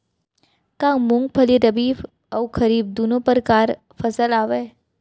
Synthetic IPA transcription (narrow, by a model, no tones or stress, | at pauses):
kãːmʊ̃ŋɡ̚pʰɐliɾɐbiːf | ɐwkʰɐɾiːb̚d̪uːnõpəɾkaːɾ | fʰɐsəlaːʋeː